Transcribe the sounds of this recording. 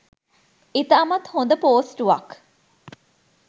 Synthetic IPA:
it̪ɐɐmɐt̪hond̪əpoːsʈuʋɐ̰k

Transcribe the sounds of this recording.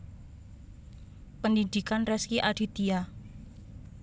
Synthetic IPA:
pəndind̪ikanrɛskiʔaɖ̥i̤t̪ia

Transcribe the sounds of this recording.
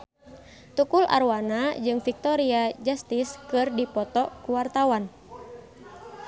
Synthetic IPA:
t̪ukula̰rwanad͡ʒɨŋfik̚t̪ɔɾiad͡ʒast̪iskɨrdipɔt̪ɔkuwart̪awan

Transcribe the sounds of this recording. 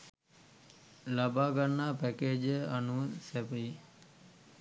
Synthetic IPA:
labaːɡanːaːpækeːd͡ʒəanuəsæpəi

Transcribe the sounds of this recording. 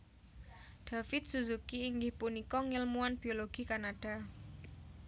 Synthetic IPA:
ɖ̥a̤fɪt̪̚suzukiːŋɡɪhpunikɔŋilmuanb̥ioloɡ̥i̤kanaɖ̥a

